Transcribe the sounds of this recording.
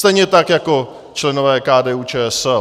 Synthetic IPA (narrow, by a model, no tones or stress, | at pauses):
t̪ɛjɲɛt̪akjako̞ | t͡ʃlɛnovɛːkaːdɛːuːt͡ʃɛːɛsɛl